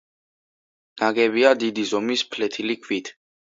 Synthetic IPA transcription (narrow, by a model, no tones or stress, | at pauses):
naɡɛβiad̪id̪izɔmispʰlɛt̪ʰilikʰvit̪ʰ